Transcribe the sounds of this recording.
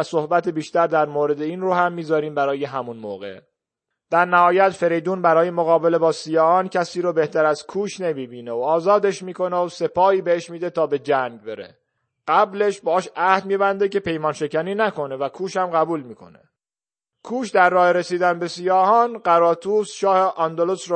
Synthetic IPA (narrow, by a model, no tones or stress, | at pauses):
æso̞hbæt̪ʰebiːʃt̪æɾd̪æɾmoːɾe̞d̪eiːnroːhæmːiːzɒːɾiːmbæɾɒːjeɦæmunmoːɣe̞̰ | d̪̥æɾnæhɒːjæt̪fe̞ɾejd̪uːnbæɾɒːjemoɣɒːbe̞le̞bɒːsijɒːhɒːncʰæsiːɾobe̞ht̪ʰæɾæz̥kʰuːʃne̞miːbiːneoɒːzɒːd̪e̞ʃmiːko̞neose̞pʰɒːhiːbeeʃmiːd̪e̞t̪ʰɒːbe̞d͡ʒæŋɟ̚be̞ɾḛ | ɢ̥æble̞ʃbɒːʃæhd̪miːbænd̪e̞ce̞pe̞jmɒːnʃe̞cæniːnæko̞ne̞vækʰuːʃhæmɢæbuːlmiːkʰo̞̰nḛ | kʰuːʃd̪æɾːɒːheɾesiːd̪ænbe̞sijɒːhɒːnɢæɾɒːt̪ʰuːsʃɒːheʔɒnd̪olosɾ